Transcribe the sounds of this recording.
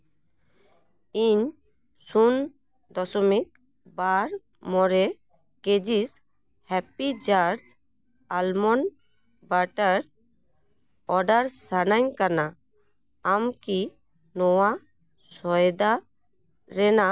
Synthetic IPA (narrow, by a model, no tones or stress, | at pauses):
iɲ | sun | d̪ɔsɔmik̚ | baɾ | mɔɾɛ | ked͡ʒis | hɛpid͡ʒaɾs | almɔn | baʈaɾ | ɔɖaɾsanaɲkanaː | mki | nɔwa | sɔjd̪a | ɾɛna